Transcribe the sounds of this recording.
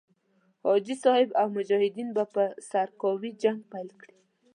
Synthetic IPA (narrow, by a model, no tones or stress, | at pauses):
hɔd͡ʒisɔhɪbawmʊd͡ʒɔhɪd̪inbapəsaɾkɔwid͡ʒaŋɡ̚pajlkɽi